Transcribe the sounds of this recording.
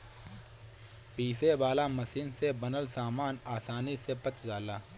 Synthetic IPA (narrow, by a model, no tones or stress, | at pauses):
piːsebaːlamɐsiːnsebɐnəlsaːmaːnaːsaːnisepət͡ʃd͡ʒaːlaː